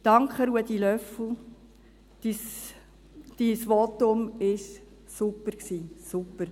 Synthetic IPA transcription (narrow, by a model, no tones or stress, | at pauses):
t̪ɑŋkχəɾuəd̥̪ilœfl̩ˠ | is | d̪̥isʋɔt̪ʊmɪʃ | supːəɾksiːsupːəɾ